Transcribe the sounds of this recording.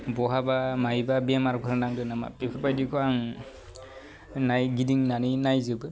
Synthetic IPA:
bɔɦabamajbabemaɾkʰɯɾanaŋdɯnama̰pikʰɯpajdikʰɔaŋ | najɡidiŋnaninajzɯbɯ

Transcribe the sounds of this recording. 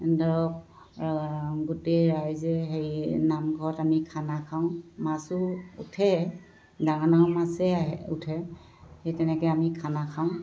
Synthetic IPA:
dɔɔk̚ | ɡuteɹajzɛɦejnamɡʱɔɹɔtamikʰanakʰaʊ̃masʊutʰɛ | daŋanawmasɛaɦɛṵtʰɛ | hejtɛnɛkɛamikʰanakʰaʊ̃

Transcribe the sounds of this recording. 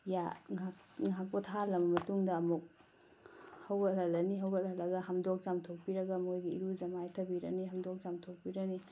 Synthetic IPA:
jaŋaŋak̚pɐtʰalɐmɐmɐtuŋdɐːmuk̚ | hɐwɡɐlɐlɐniɦɐwɡɐlɐlɐɡɐɦɐmdok̚t͡ʃamtʰok̚piɾɐɡɐmojɡiḭɾuzɐmajtʰɐbiɾɐ̰niɦɐmdok̚t͡ʃamtʰok̚piɾɐni

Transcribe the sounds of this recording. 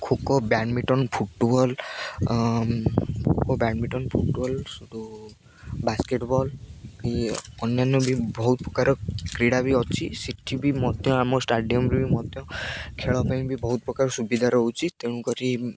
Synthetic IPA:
kʰukɔbanmiʈɔnpʰuʈbɔl | kʰokɔbaɳmiʈɔnpʰuʈbɔlsud̪u | baskeʈbɔlkiɔnjanːɔbibɔɦut̪ɔpɾɔkaɾɔkɾiɽabiɔt͡ʃʰisiʈʰibimɔt̪jɔ̃amɔsʈaɖijɔmbɾibimɔt̪jɔ̃kʰeɭɔpaj̃bʱibɔɦut̪ɔpɾɔkaɾɔsubid̪ʱaɾɔɦut͡ʃʰit̪eɽ̃ũkɔɾi

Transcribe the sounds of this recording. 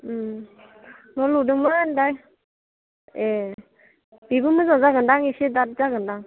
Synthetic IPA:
nɔludɯŋmaandaj | e | biɡumɯzazaɡɯndaŋisidat̚zaɡɯndaŋ

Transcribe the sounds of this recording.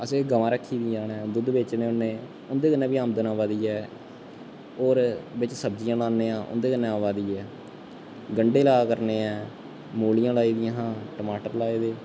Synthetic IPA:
əseːɡəʋãːɾəkʰːiːd̪ĩãːnɛ̃ːd̪ʊd̪beːt͡ʃneːʊnːẽː | ʊnd̪eːkənːɛ̃ːbiːaːmd̪nãːʋaːd̪iːɛː | oːɾbɪt͡ʃsəb̚d͡ʒijãːlaːnːeːãːʔʊ̰nd̪eːkənːẽːaːʋaːd̪iːɛː | ɡəɳɖeːlaːkəɾneːɛː | moːlijãːlaːiːd̪ijãːɦãːʈəmaːʈəɾlaːeːd̪eː

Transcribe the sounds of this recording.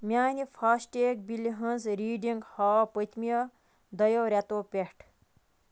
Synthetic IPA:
mʲaːnipʰɐsʈeːk̚biliɦɐ̃nzɾiːɖiŋɡhɔpət̪mijɐ | d̪ɐjoːɾʲat̪oːpʲehʈʰ

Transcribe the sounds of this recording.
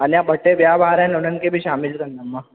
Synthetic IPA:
anijabʱəʈːeʋjabʱaɾãnoɽənkebʱiːɕamilkənd̪amːa

